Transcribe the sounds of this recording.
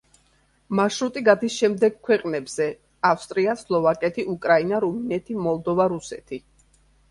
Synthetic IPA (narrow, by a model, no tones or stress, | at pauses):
maʃɾut̪ʼiɡad̪isʃɛmd̪ɛɡkʰwɛqʼnɛbz̥ɛ | afst̪ʼɾiaslˠɔvakʼɛt̪ʰiʔukʼɾainaɾuminɛt̪ʰimɔlˠd̪ɔvaɾusɛt̪ʰi